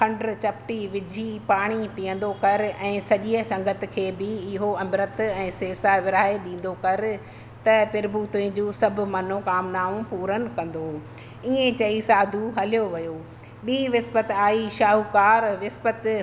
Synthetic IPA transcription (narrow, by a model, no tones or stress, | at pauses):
kʰɐ̃ɳɖɾt͡ɕɐpʈiʋɪd͡ʑʱipaːɽ̃ipijə̃n̆d̪okɐɾɛ̃ːsɐʄiəsɐ̃ŋɡʱət̪̆kʰeːbɪɪɦoɐmɾət̪ɛ̃ːseːsaʋɪɾaːeɗĩːn̆d̪okɐɾɪ̆ | t̪ɐpɪɾbuːt̪ʊɪ̃d͡ʑuːsɐbʱʊ̆mɐn̤okaːmnaːʋũpuːɾənɪ̆kɐ̃n̆d̪o | iẽt͡ɕɐisaːd̪ʱuɦɐlijoʋɐjoː | ɓiːʋɪspət̪aːiʃaːɦukaːɾʋɪspət̪